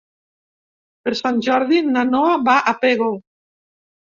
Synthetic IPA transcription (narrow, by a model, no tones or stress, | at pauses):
peɾsanʲʒɔɾðinanɔaβaʔapeɣo